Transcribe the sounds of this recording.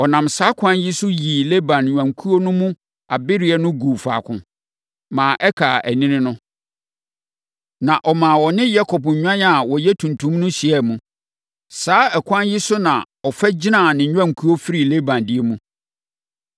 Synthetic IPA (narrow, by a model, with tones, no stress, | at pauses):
ɔ˨nã˨msaː˦kʷʰã˦nji˦sʊ˦ji˨le˦bã˨nɲᶣ˨ã˨ŋkʰu˦o˦nʊ̃˦mũ˦ | a˨bɪ˦ɾɪ˨ɛ˨nʊ̃˦ɡu˨fa̰ː˨kʰʊ̰̃˨ | mãː˨ʔɛ˦kʰaː˨ʔæ˨nĩ˦nɪ̃˦nʊ̃˦ | nã˨ʔɔ˨mãː˨wɔ˨nɪ̃˦ja˦kʰɔ˨pɲ̩˨ɲᶣã˦n˦a˨wɔ˨jɛ˦tʰũ˨ntʰũ˦mnʊ̃˦ɕi˨ɛ˦˨mũ˦ | saː˨˦ɛ˨kʷʰã˦njɪ˦sʊ˦nã˨ | ɔ˨fɛ˦d͡ʑɪ˦nã˦˨nɪ̃˨ɲᶣ˦ã˦ŋ˨kʰu˦o˦fi˦ɾi˨le˦bã˨ndɪ˦e˦mũ˦